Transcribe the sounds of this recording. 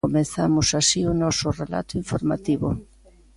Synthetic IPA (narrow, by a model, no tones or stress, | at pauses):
omeθamʊsasiʊnɔsʊrela̰t̪ʊiɱfoɾmat̪iβʊ̰